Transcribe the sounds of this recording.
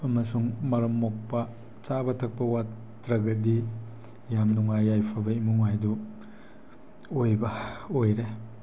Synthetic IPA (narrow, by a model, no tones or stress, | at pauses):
ɐmɐsuŋmɐɾɐmːok̚pɐ | t͡ʃabɐtʰɐk̚pɐwatː | ɾɐɡɐdi | jamnuŋajːajpʰɐbɐimuŋajdu | ojbɐojɾe